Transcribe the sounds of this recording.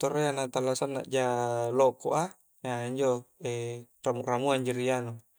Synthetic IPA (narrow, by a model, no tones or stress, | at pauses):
t̪oreanat̪alːasanːa̰ʔd͡ʒalokoʔa | aiɲd͡ʒoeramuʔramuaɲd͡ʒiɾiano